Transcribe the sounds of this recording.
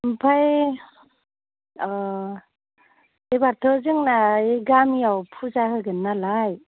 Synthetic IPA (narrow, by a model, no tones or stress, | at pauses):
mpʰaj | ebaɾtʰɯzɯŋnaeɡamijawpʰuzaɦɯɡɯnːalaj